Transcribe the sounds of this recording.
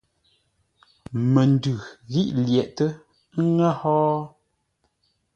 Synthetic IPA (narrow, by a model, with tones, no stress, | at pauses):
mə˨n˨˦dʉ˨ɣi˦ʔljɛ˨ʔtə˦ | ŋ˦ŋə˦hɔː˦